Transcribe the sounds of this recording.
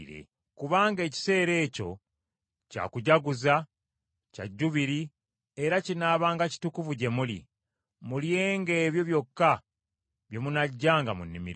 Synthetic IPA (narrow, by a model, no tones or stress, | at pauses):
ɾḛ | kuβaːŋɡe̞ːci̥se̞ːɾe̞ːco̞̰ | ca̰ːkuɟaɡuza | ca̰ɟːuβiɾi | e̞ɾacinaːβaːŋɡaci̥tukuvuɟe̞mulḭ | mulje̞ːŋɡe̞ːβjo̞βjo̞kːa | βjo̞munaɟːaːŋɡamṵnːimḭɾ